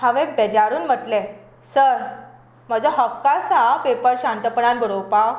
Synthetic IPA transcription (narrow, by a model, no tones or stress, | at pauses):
ɦaʋẽbed͡ʑaɾuːnm̤əʈlɛ | səɾ | m̤əd͡ʑəɦəfkasapepəɾɕãnt̪əpəɽanbʱəɽowpaw